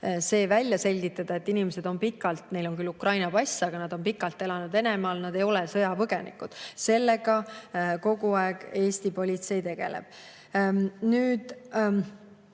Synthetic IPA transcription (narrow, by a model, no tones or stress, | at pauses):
se̞ːvælʲːjɑse̞lʲɡ̥it̪ːˑɑd̪̥ɑet̪ːinimese̞d̪̥o̞npikːˑɑlt̪ne̞jlo̞nkylːukrɑjnɑpɑsʲːɑɡ̥ɑnɑd̪̥o̞mpikːˑɑlt̪ːˑe̞lɑnud̪e̞ne̞mɑːlnɑd̪̥e̞jo̞lɛsɤjɑpɤɡ̥e̞nḭkud̪̥se̞lːe̞ɡ̥ɑko̞ɡ̥uɑeɡ̥e̞ːst̪ipo̞lʲit̪se̞jt̪e̞ɡ̥e̞̰lḛb̥ | nyːd̪̥